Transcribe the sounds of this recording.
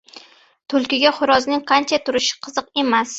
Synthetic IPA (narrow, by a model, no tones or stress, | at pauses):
t̪ʰʊlˠkʲɪɡʲaχʊɾɒznɪŋqʰɑnt͡ʃʰat̪ʰʊɾɪʃɪ̥qʰɨzɨqe̞mas